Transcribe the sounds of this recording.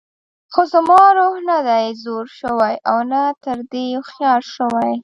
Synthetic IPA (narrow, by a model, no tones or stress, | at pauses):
xozamɑɾohnad̪ajzoɾʃəwajʔawnat̪əɾd̪ejoxjɑlʃəwaj